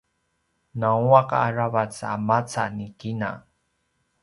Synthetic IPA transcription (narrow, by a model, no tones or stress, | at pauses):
nauaqaaɾavat͡samat͡sanikina̰